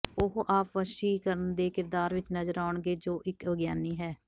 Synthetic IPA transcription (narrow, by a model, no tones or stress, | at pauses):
ʊɦʔaːpʋəʃiːkəɾənd̪eːkɪɾd̪aːɾʋɪt͡ʃnəzəɾaːʊɳɡeːd͡ʒoːʔɪkʋəɡjaːniːɦɛː